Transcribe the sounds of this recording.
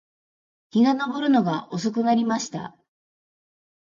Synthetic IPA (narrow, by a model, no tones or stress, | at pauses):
kʲiɡano̞bo̞ɾɯ̟no̞ɡaʔo̞s̬ok̬ɯ̟naɾʲimaɕi̥t̪a̰